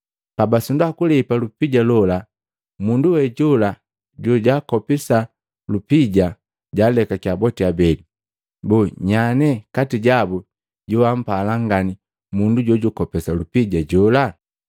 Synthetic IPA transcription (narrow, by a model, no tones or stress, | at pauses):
pabasundakulɛpalupiɟalɔla | munduwɛɟɔla | ɟɔɟakɔpisa | lupiɟa | ɟalɛkakiabɔtiabɛli | bɔɲanɛkatiɟabu | ɟuwam̩palaŋɡani | munduɟɔɟukɔpɛsalupiɟaɟɔla